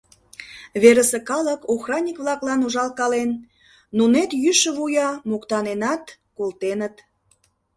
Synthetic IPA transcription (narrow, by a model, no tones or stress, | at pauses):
βeɾəsekɑləkoxrɑnʲikβlɑklɑnuʒɑlkɑlenː | unet̪jyʃə̆βujɑmokt̪ɑnenɑt̪ | kolt̪enət̪